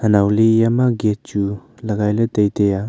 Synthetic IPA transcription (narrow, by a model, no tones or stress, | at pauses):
hɐnawlijamaɡet̚t͡ʃulɐɡajlɐtejteja